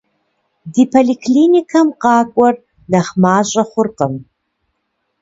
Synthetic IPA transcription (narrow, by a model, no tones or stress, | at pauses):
diːpʰoliːkʰliːnikʰɐmqɑːkʷʼɔr | nɐχmaːɕʼɐχʷʊrqəm